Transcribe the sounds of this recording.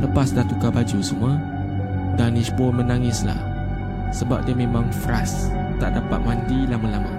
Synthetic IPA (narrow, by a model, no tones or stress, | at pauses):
ləpasdaht̪ukabad͡ʒusəmua | danisbɔmənaŋɪsla̰h | səba̰p̚diəmemaŋfɾas | t̪aʔdapat̪̚mandilamalama̰